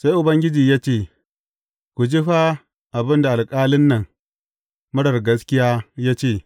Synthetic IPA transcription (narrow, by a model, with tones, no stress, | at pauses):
sa˦jʔʊ˨bɐ˦ŋɡʲɪ˦d͡ʒiː˨ja˦t͡ʃeː˦˨ | kʷu˨d͡ʒi˦ɸa˦ | ʔa˨bɪ˦nda˨a˨lkʼaː˦lɪ˦nːɐ˨ŋ | mʊ˦ɽɐ˨ɾɡɐ˦skʲɪ˦jaː˦ja˦t͡ʃe˦˨